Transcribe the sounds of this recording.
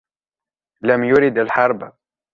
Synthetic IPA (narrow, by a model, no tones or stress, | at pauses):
lamjʊɾɪd̪alħɑɾˤb